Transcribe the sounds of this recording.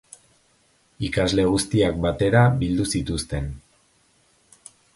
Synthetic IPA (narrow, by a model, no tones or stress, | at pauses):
ikazle̞ɣ̞ust̪iak̚bat̪e̞ɾabild̪usit̪ust̪e̞n